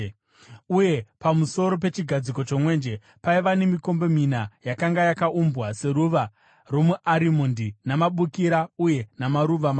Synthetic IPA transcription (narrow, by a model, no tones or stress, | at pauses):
uje̞pamuso̞ɾo̞p̬e̞t͡ʃiɡʱad͡zikot͡ʃo̞mwe̞ːnd͡ʒe̞ | paiʋane̞miko̞mbo̞minajakaŋɡajakaʔumbwase̞ɾuʋa | ro̞muʔaɾimondinamaɓukiɾauje̞namaɾuʋama